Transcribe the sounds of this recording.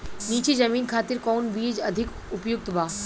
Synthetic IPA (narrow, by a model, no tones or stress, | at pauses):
nit͡ɕid͡ʑəminkʰat̪iɾkɔwnbid͡ʒəd̪ʱik | upjuk̚t̪ba